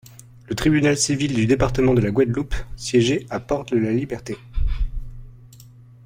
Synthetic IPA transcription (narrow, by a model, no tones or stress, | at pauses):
lət̪χibynalsivild̪yd̪epaʁt̪əmɑ̃d̪əlaɡwad̪lupsjɛʒeapɔʁt̪əlalibɛʁt̪e